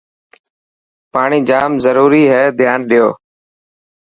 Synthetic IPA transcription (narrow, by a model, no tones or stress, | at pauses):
paːɳiːd͡ʒaːmzəɾuːɾiːɦɛːd̪ʱjaːnɗɪjoː